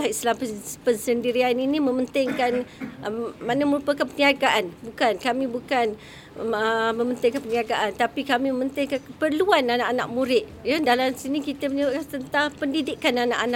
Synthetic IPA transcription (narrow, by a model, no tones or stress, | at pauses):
aislampənsəndiɾianinĩmə̃mənt̪ɪŋkan | manamə̃ɾupəkanpəniaɡaʔanbukankamĩbukan | əmə̃mənt̪ɪŋkanpəniaɡaʔant̪apikamĩməmənt̪ɪŋkankəpərluananaʔana̰ʔ̚muɾɪʔ̪̚jadalamsinikit̪əməɲəbaʔkant̪ənt̪aŋpəndidɪkanana̰ʔana